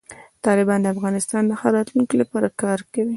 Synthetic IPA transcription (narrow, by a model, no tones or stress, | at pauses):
t̪ɑlɪbɑnd̪əafɣɑnɪst̪ɑnlaxaɾɑt̪lunkilapɑɾakɑɾkawi